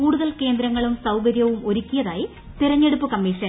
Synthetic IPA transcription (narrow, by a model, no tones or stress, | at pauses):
kuːɽuðɐlke̞ːnd̪ɾɐŋːɐɭumsɐwɡɐɾjɐʋumo̞ɾukʲːijɐðaːji | t̪iɾɐɲːe̞ɽupːukɐmːiːʂɐn